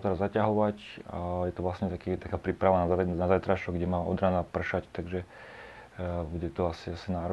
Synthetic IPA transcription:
t̪ɛɾazːacaɦɔʋaca̰jɛt̪ɔʋlasɲɛt̪akiːt̪akaːpɾipɾaʋanazanazajt̪ɾaʃɔɡɟɛmaːʔɔ̰d̪ɾanapr̩ʃact̪aɡʒɛ | buɟɛt̪ɔasiasinaːɾ

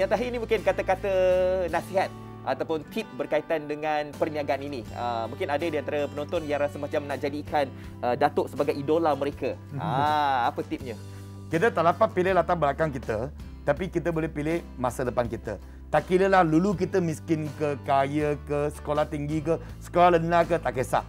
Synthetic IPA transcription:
jaŋt̪aɦiinimũŋkɪnkat̪akat̪ənãsiɦat̪̚ | ʔat̪awpʊnt̪ip̚bərkait̪andəŋanpərɲaɡaaniniə̰mũŋkɪnadədiant̪aɾapənɔnt̪ɔnjãŋɾasəmat͡ʃamnaʔd͡ʒadikan | ʔədat̪ʊʔsəbaɡajidolaməɾeka | aapət̪ip̚ɲə | kit̪ət̪aʔlapat̪̚pilɪlat̪aŋbəlakaŋkit̪ə | t̪apikit̪əbolɛhpilɪh | masələpankit̪ə | t̪aʔkiləlahluluk̬it̪əmiskɪnkəkajəkəsə̥kolaht̪iŋɡikə | sə̥kolahlənakət̪aʔkesa̰ʔ

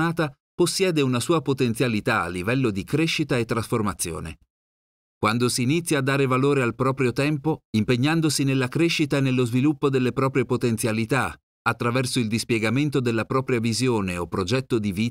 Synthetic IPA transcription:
aːt̪a | posːjɛːd̪eunasuːapot̪ent̪sjalit̪a̰ːlːivɛlːod̪ikɾeʃːit̪aet̪ːɾasformat̪sːjo̰ːnḛ | kwand̪osiːnit̪sːjaːd̪ːaːɾevaloːɾealpɾɔːpɾjot̪ɛmpoimpeɲːand̪osinelːakɾeʃːit̪aenːelːozvilupːod̪elːepɾɔːpɾjepot̪ent̪sjalit̪a | at̪ːɾavɛrsoild̪ispjɛɡament̪od̪elːapɾɔːpɾjavizjoːneopːɾod͡ʒɛt̪ːod̪iviː

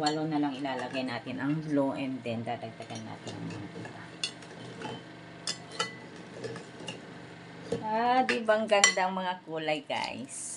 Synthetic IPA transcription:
wɐlonɐlaŋɪlaːlɐɡajnaːt̪ɪnɐŋloʔɛnd̪ɛnd̪aːd̪ɐɡ̚d̪ɐɡanːa̰ːt̪ɪnɐ̰ŋmɐ̰ŋak̪ḭːt̪ɐ | ad̪iːbɐŋɡɐnd̪aŋmɐŋakuːlɐjɡa̰js

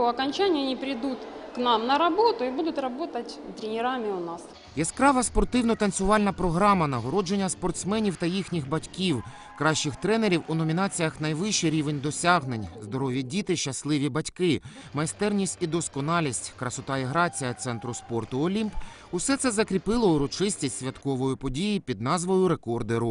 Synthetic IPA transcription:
oɐkɐnʲt͡ʃanʲɪjɐnʲipɾʲɪd̪ut̪knamnɐɾɐbot̪ʊibud̪ʊt̪rɐbo̞t̪ɐtʲt̪ɾʲɪnʲɪɾamʲɪʊnas | jɛskɾɑʋɐspɔrt̪ɪwnɔt̪ɐnsʲʊʋɑlʲnɐpɾɔɦɾɑmɐnɐɦɔɾɔd͡ʒe̞nʲːɐspɔrt̪smɛnʲiwt̪ɐjixnʲixbɐtʲkʲiw | kɾɑʃːɪxt̪ɾɛneɾʲiwʊnɔmʲiɪnɑt͡sʲijɐxnɐjʋɪʃːiɾʲiʋe̞nʲd̪ɔsʲaɦnenʲzd̪ɔɾɔʋʲjɐdʲit̪ɪʃt͡ʃɐslˠɪʋʲibɐtʲkɪ | mɐjst̪ɛrnʲisʲtʲid̪ɔskɔnɑlʲisʲtʲkɾɐsɔt̪ɑiɦɾɑt͡sʲijɐt̪sɛnt̪ɾʊspɔrt̪ʊɔlʲimp | ʊsɛt̪sɛzɐkɾʲipɪlˠɔʊɾɔt͡ʃɪsʲtʲisʲtʲsʲʋʲɐt̪kɔʋɔjʊpɔdʲijipʲid̪̚nɑzʋɔjʊɾe̞kɔrd̪eɾʊ

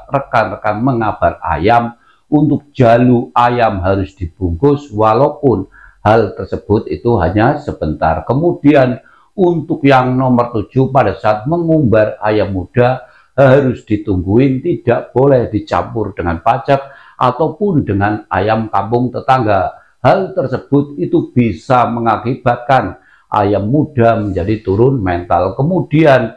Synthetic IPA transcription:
rəkanrəkanməŋab̥ara̰jam | unt̪ʊk̚d͡ʒ̥aluajamɦaɾʊsd̥ib̥uŋɡʊswalapʊn | halt̪ərsəb̥ʊt̪̚it̪uɦaɲasəb̥ənt̪a̰rkəmud̥ian | unt̪ʊk̚jaŋnɔmərt̪u̥d͡ʒ̥upadasaːt̪̚məŋumbara̰jamːud̥a | haɾʊsd̥it̪uŋɡuɪnt̪id̥aʔb̥olɛhd̥it͡ʃa̰mpʊrd̥əŋanpat͡ʃak̚ | ʔa̰t̪awpʊndəŋana̰jamkampʊŋt̪ət̪aŋɡa | halt̪ərsəb̥ʊt̪̚it̪ub̥isaməŋakib̥at̪̚kan | ʔa̰jamːud̥aməɲd͡ʒadit̪uɾʊnmɛnt̪alkəmudian

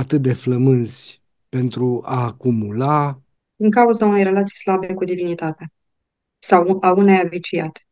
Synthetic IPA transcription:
at̪ɨt̪̚d̪e̞fləmɨnsʲ | pe̞nt̪ɾuaːkumula | d̪̥iŋkauzaunejre̞lat̪sijslabekud̪ivinit̪at̪ea | sawʔaunejavit͡ʃijat̪

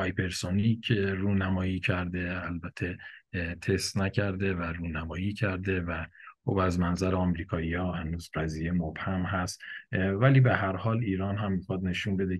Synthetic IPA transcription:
pɒjpʰe̞ɾsonicʰruːnæmɒːjiːcʰæɾd̪e̞ælbæt̪ʰet̪ʰe̞st̪næcʰæɾd̪evæɾuːnæmɒːjiːcʰæɾd̪e̞væxobæzmænzæɾeɒmɾiːkʰɒːiɒːhænuːzbæziːjemobhæmɦæst̪væliːbeɦæɾhɒːliːɾɒːnɦæmːixɒːd̪ne̞ʃuːnbe̞d̪e

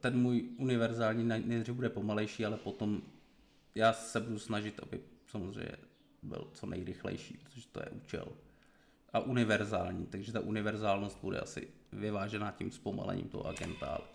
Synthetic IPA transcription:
t̪ɛnmuːjʔunɪvɛɾzaːlɲiːnanɛrɪbudɛpo̞malɛjʃiːalɛpo̞t̪o̞m | jaːsɛbudusnaʒɪt̪ʔa̰bɪ̰samozr̝ɛ̰jɲɛ | bɪ̰lt͡sonʔɛ̰jɾɪxlɛ̰jʃiːpɾot̪oʒ̥ɛ̥t̪ojɛ̰ʔuːt͡ʃɛ̰l | ʔaʔunɪvɛɾzaːlɲiːt̪aɡʒɛt̪aʔunɪvɛɾzaːlnost̪̚budɛ̰ʔa̰sɪ̰vɪvaːʒɛnacimspoma̰lɛ̰ɲḭːmt̪o̰ɦo̰ʔaɡɛ̰nt̪a̰l

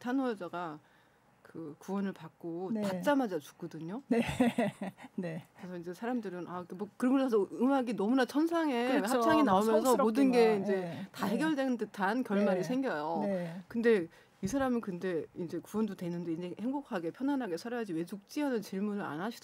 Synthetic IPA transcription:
tʰanoed͡ʑaɡa | kɯkuwʌnɯɭpak̚k͈otat͡ɕ͈amad͡ʑat͡ɕu̥k̚k͈ʌdɯɲone | nekɯɾesʰʌind͡ʑe̞sʰaɾamdɯɾɯnak͈emwʌkɯɾʌmɯnoasʰɯmaɡinʌmunat͡ɕʰʌnsʰaŋe̞hapssʰaŋinaomjʌns̬ʰʌmodɯnɡe̞ind͡ʑe̞taɦe̞ɡjʌɭdenɯntɯtʰankjʌɭmaɾisʰe̞ŋɡjʌjokɯnde̞ | isʰaɾamikɯnde̞ind͡ʑe̞kuwʌndodwe̞nɯnde̞ind͡ʑehe̞ŋbokʰaɡe̞pʰjʌnanɦaɡe̞sʰaɾjʌad͡ʑiwe̞d͡ʑuk̚t͡ɕ͈iɦanɯnt͡ɕiɭmunɯɾa̰nɦaɕʰid̥

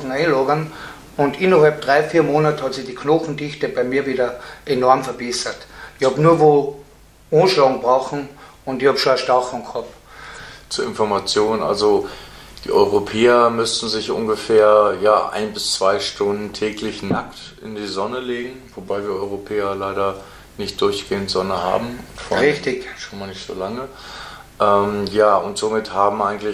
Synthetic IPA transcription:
ŋ̩aɪnloːɡən | ʊndɪnɐɦɑlp̚d̥ʁaɪfiːɐmoːnatəhɑtsɪxd̥iːkʰnɔχn̩dɪxtəb̥aɪmiːɐviːdɐʔenɔɐmfɛɐb̥ɛsɐtɪçhɑːbnuːɐvoː | õːnʃlɑŋbʁaχn̩ | ʊndɪçhɑːbʃoaʃtaxɔŋkʰɑp | t͡suːɐɪnfɔɐmat͡sjoːnənʔa̰lzod̥ḭːʔɔʏʁopʰɛːɐmʏstn̩zɪçʔʊ̰nɡəfɛːɐjaːʔa̰ɪnbɪst͡sv̥aɪʃtʊndn̩tʰɛːklɪçnakt | ʔɪ̰ndiːzɔnəleːɡŋ̩vobaɪviːɐʔɔʏʁopʰɛːɐlaɪɾɐ | nɪçt̚d̥ʊɐçɡ̥eːəntz̥ɔnəha̰ːbm̩ʊntfo̰ʁɪçtɪçʃoːnmaːlnɪçtz̥o̰ːlaŋə | ʔɛːmjaːʊntz̥omɪthaːbm̩ʔaɪɡŋ̩tlɪ

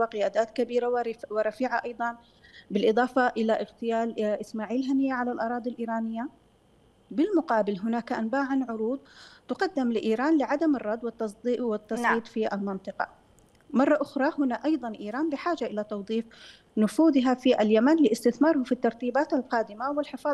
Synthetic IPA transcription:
waqɪjaːd̪aːt̪kabiːɾawɪɾˤɑfiːʕaʔɑjd̪ˤɑn | bɪlʔɨðˤɑːfɑʔɪlaʔɪɣt̪ɪjaːlʔɪsmaːʕiːlɦanɪjːaʕalalʔɑɾˤɑːd̪ˤilʔiːɾaːnɪjːa | bɪlmʊqɑːbɪlɦʊnaːkʔanbaːʕanʕʊɾuːd̪̚ˤt̪ʊqɑd̪ːɪmlɪʔiːɾaːnlɪʕad̪amɪrˤːɑd̪wɪt̪ːɑsˤd̪iːʔwɪt̪ːɑsʕiːt̪ˤfiʔalmɪnt̪ˤɨqɑ̰ | mɑrˤːɑʔʊxɾˤɑhʊnaʔɑjðˤɑnʔiːɾˤaːnbɪħaːd͡ʒaʔɪlat̪ɑwðˤiːf | nʊfuːðɪɦafiʔaljamanlɪʔɪst̪ɪθmɑːɾˤhʊfit̪ːɑɾˤt̪iːbaːt̪alqɑːd̪ɪmawɪlħɪfɑː

